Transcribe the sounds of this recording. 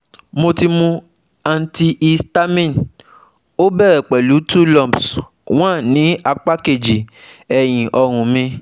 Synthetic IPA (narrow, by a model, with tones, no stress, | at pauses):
mo˧ti˧mũ˧ | a˨n̩˨ti˧ʔi˧sta˦mĩ˦˨n | o˦bɛ˦˨ɾɛ˨k͡pɛ˨lu˨˦tu˦lɔ̃˦˨ps | w̃ã˦˨nĩ˨˦a˧k͡pa˦ke˨d͡ʒi˨ɛ˨j̃ĩ˨ʔɔ˧ɾ̃ũ˨mĩ˧